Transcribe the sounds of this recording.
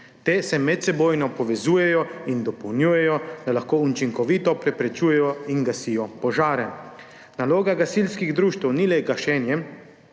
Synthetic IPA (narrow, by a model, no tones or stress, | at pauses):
t̪eːsɛmɛt̪sɛboːjnɔpɔʋɛzuːjɛjɔind̪ɔpɔwnjuːjɛjɔd̪alaxkoːut͡ʃiŋkɔʋit̪ɔpɾɛpɾɛt͡ʃuːjɛjɔiŋɡasijɔpɔʒaːɾɛ | naloːɡaɡasilskiɣd̪ɾuːʃt̪wnilɛɡaʃɛnjɛ